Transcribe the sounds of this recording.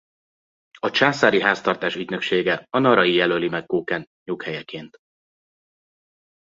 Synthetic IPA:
ɒt͡ʃaːsaːɾiɦaːst̪ɒrt̪aːʃyɟnø̞kʃeːɡɛɒnɒɾɒjijɛlølimɛkːoːkɛn | ɲukhɛjɛkeːnt̪

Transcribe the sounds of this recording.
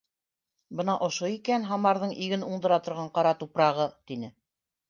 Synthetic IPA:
bɤnɑʔŏʃoikænɦɑmɑɾðɤɴʔiɡɘnuɴd̪ɤ̆ɾɑt̪ŏɾʁɑɴqɑɾɑt̪upɾɑʁɤt̪inɘ

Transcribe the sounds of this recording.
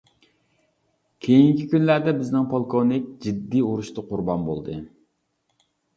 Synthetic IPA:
kʲʰejiŋkʲʰikʲynlæɾd̪ɛbɪznɪŋpʰolˠkʰonɪk̚ʲd͡ʒid̪ːiuɾuʃt̪ɨqʰʊɾbɑnbo̰lˠd̪ɨ

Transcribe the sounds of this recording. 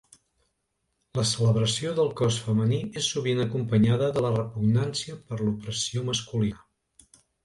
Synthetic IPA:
ləsələβɾəsioðəlˠkɔsfəməniesːuβ̞inəkumpəɲaðəðələrəpuɡnansiəpəɾlupɾəsioməskuli

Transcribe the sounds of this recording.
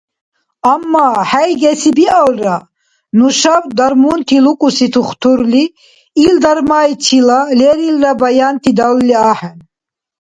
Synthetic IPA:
amːaħajɡɛsibialra | nuʃabd̪aɾmunt̪ʰilukʼusit̪ʰuχt̪ʰuɾliː | ld̪aɾmait̪ʰilalɛɾilɾabajant̪ʰid̪alːiaħɛn

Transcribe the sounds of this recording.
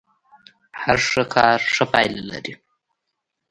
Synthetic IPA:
haɾʂəkʰɑːɾʂəpɑjlla̰ɾi

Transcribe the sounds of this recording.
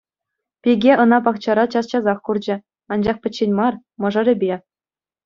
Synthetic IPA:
pʲiɡʲeʔɤ̆nɑp̬ɑkt͡ɕɑɾɑt͡ɕɑst͡ɕɑzɑχkurd͡ʑɘ̆ | ɑnd͡ʑɑχpʲɘ̆t͡ɕːenʲmɑr | mɤ̆ʐɤ̆ɾʲɘ̆bʲe

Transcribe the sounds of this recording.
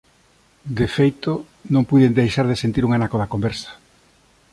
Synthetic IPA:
d̪efejt̪o | nõŋpuðend̪ejʃaɾðesent̪iɾuŋanakoðakombeɾsḁ

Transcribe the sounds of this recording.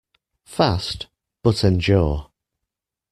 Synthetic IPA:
fast | b̥ʊtə̃nd͡ʒɔː

